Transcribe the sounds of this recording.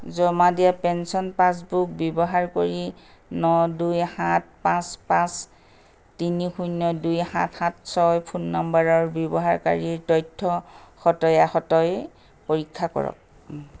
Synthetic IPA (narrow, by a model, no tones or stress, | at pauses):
zɔmadijapɛnsɔnpãs̬buk̚bjɔbɔɦaɹkoɹi | nɔdujhãt̚pãspãs | tinixujnɔdujhã̰txãtsɔjpʰunːɔmbaɹɔɹbjɔbɔɦaɹka̰ɹiɹtɔjtʰːɔxɔtɔjaxɔtɔj | poɹikʰːakɔ̰ɹɔ̰k̚